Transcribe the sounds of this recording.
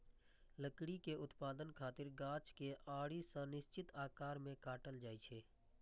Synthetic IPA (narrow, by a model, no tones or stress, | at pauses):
ləkɽikeʊt̪paːd̪ənkʰaːt̪ɪɾɡãːt͡ʃkeʔaːɽisə̃nɪʃt͡ʃɪt̪aːkaːɾmẽkaːʈəld͡ʒaːit͡ʃʰeː